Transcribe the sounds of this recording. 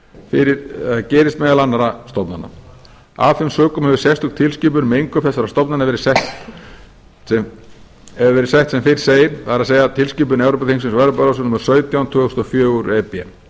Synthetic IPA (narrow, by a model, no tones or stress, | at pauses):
fɪɾɪɾ̥acɛːɾɪst̪mɛðalanːaɾast̪ɔpna̰nːa̰ | a̰vfɪmsœːkʏmhɛvʏ̥sɛst̪hʏkt̪ʰɪlsciːp̬ʏɾmejŋkʏfθɛsaɾast̪ɔpnanavɛːɾɪ̥sɛht̪t̪ | ɛ | ɛvɛɾɪ̥sɛjht̪sɛmfɪɪ̥seːjɪɾ̥faɾaðseːjat̪ʰɪlsciːp̬ʏnɛwɾɔp̬aθiŋsɪmsvaːɾʏpaɾasʏnʏmʏɾ̥sœːɥt̪jawnt̪ʰʏːst̪ɔfjœːuɾɛpːɛ̰m